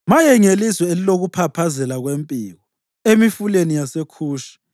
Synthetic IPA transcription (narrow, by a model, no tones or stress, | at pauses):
majɛŋeliswɛeliloɣupʰapʰazɛlaɣwempʼiːɣɔ | emifulenijasekʰuːʃḁ